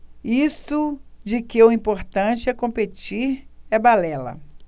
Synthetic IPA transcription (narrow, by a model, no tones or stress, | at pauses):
ist̪ʊd͡ʒɪkɪʊĩpoɾt̪ɐ̃t͡ʃɪɛkõpet͡ʃiɾɛbalɛlɐ̰